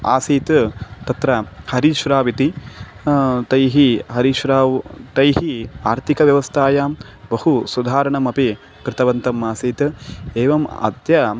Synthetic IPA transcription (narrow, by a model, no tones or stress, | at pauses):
a̰ːsiːt̪t̪ɐt̪ɾɐhɐɾiʃɾaːʋit̪i | t̪ɐjɦiɦɐɾiʃɾaːt̪ɐjɦiaːɾt̪ʰikɐʋjɐʋɐst̪ʰaːjaːm | bɐhusud̪ʱaːɾɐɳɐmɐpi | kɾɪt̪ɐʋɐnt̪ɐmaːsiːt̪eːʋɐmɐ̰d̪jɐ